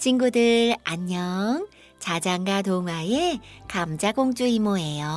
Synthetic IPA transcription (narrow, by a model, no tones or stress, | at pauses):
t͡ɕinɡudɯɾaɲːʌŋ | t͡ɕad͡ʑaŋɡatoŋwajekamd͡ʑaɡoŋd͡ʑuimoe̞jo